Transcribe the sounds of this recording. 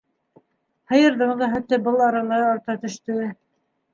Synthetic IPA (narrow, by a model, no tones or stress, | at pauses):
hɤ̆jɤ̆ɾðɤ̆ɴðɤɦæt̪ːɘbɤlˠɑɾɑlˠɑjɑɾt̪ɑt̪ɵ̆ʃt̪ɵ̆ɘ